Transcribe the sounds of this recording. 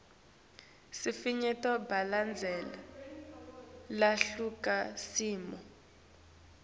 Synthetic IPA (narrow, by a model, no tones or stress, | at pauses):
sifiɲɛtɔbaland͡zʱɛla | laɬukasiːmɔ